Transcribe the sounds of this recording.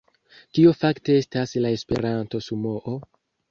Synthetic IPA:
kio̞fakte̞e̞staslae̞spe̞̰ɾanto̞sumo̞ʔo

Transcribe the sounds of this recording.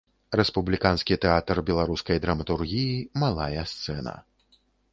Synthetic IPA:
ɾɛspublʲikanskʲit̪ɛat̪rbʲɛlˠaɾuskɐjd̪ɾɐmɐt̪urɣʲijimalˠajɐst̪sɛnɐ̰

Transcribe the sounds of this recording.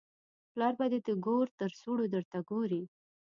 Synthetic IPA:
plɑɾbad̪ed̪əɡoɾt̪əɾsuɽod̪əɾt̪aɡoɾi

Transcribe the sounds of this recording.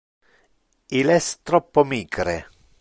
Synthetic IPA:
ilɛst̪ɾɔpːomiːɡɾe

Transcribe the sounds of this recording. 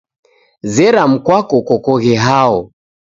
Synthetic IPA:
zɛɾam̩kwakɔkɔkɔɣɛɦaɔ

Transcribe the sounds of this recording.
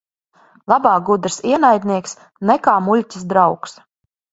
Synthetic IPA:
lˠabaːɡud̪ɾsiɛnajd̪ʲniɛks | nɛkaːmulʲtʲisd̪ɾawks

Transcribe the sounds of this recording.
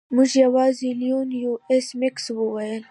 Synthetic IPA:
mʊd͡ʒjɐwɑːziljunjuesmɪksbuwɐjel

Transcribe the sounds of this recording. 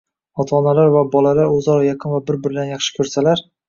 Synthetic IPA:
ɒt̪ʰaːnalaɾvabɒlalaɾɵzɒɾɒjaqʰɨnvabɪɾbɪɾɪd̪anjɑχʃɪ̥kʲʰɵɾsalaɾ

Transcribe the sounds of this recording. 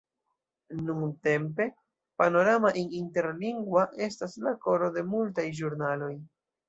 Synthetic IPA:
nuŋte̞mpe̞ | pano̞ɾamaʔininte̞ɾliŋɡwaʔe̞s̬taslako̞ɾo̞de̞multajʒuɾnalo̞j

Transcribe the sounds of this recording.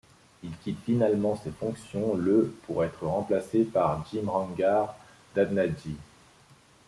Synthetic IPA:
ilkʲit̪finalmɑ̃sefɔ̃ksjɔ̃ləpʰuʁɛt̪χəʁɑ̃plasepaʁd͡ʒimʁɑ̃ɡaʁ | d̪̥ad̪nad͡ʒi

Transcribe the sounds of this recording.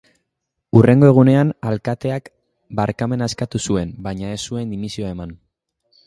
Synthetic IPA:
ure̞ŋɡo̞e̞ɣ̞une̞analkat̪e̞ak | baɾkame̞naeskat̪usue̞mbaɲae̞sːue̞nd̪imisioae̞man

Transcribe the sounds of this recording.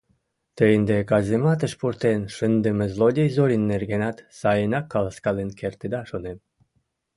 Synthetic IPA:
t̪əjənd̪ekɑzʲemɑt̪ə̆ʃpurt̪enʃɨnd̪əmezlod̪ʲejzoɾʲinːerɡenɑt̪sɑjənɑkːɑləskɑlenkert̪ed̪ɑʃonem

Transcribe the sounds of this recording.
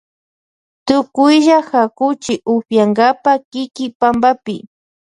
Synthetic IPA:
t̪ʊkʊjʒaxakʊt͡ʃɪʔʊɸjaŋɡapakɪkɪpambapɪ̰

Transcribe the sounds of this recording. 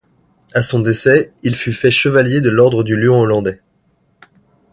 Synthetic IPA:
asɔ̃d̪esɛilfyfɛʃəvaljed̪əlɔʁd̪ʁəd̪yljɔ̃ɔlɑ̃d̪ɛ

